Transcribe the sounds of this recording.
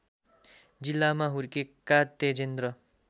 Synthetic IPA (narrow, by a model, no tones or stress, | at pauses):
d͡zilːamaɦuɾkekat̪ːed͡zend̪ɾʌ